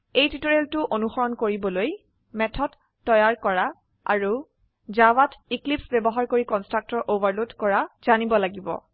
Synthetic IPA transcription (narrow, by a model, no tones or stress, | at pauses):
ejtitoɹeltʊʔonuxɔɹɔnkoɹibɔloj | mɛtʰɔd | tːɔjaɹkɔɹa | a̰ɹu | zawatiklipsbɛbɔɦaɹkoɹikɔnstɹak̚tɔɹʔovaɹlodkɔɹaz̥anibɔlaɡibɔ̰